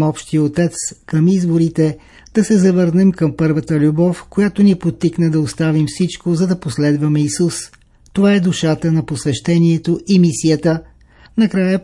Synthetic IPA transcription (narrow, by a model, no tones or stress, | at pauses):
ɔpʃt̪iot̪ɛt̪skəmizboɾit̪ɛ | d̪̥ɐsɛzɐvəɾnɛmkəmpɤɾvət̪əlʲubɔfkojat̪oniɛpot̪ːiknɛd̪ɐost̪avimfsit͡ʃkozɐd̪ɐposlɛd̪vɐmɛisus | t̪ovaɛd̪uʃat̪ənɐposvɛʃt̪ɛniɛt̪oʔimisijət̪ə | nɐkɾajə